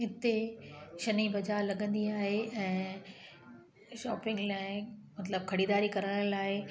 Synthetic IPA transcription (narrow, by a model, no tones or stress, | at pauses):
ɦɪt̪eʃɐnibɐd͡ʑaːlɐɠə̃nd̪iaːɦeʔɛ̃ː | ʃɔːpɪ̃ŋɡlaːɪmɐt̪ləb̚kʰɐɽiːd̪aːɾikɐɾəɽ̃laːɦɪ